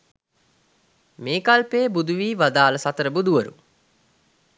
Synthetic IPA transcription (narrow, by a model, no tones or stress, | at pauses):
meːkalpeːbud̪uʋiːʋad̪aːləsat̪əɾəbud̪uʋəɾu